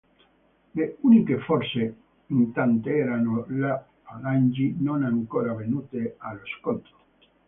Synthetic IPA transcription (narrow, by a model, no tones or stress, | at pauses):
leunikefɔrse | int̪ant̪eɛːɾanola | paland͡ʒinonaŋkoːɾavenuːt̪ealoskont̪ɾo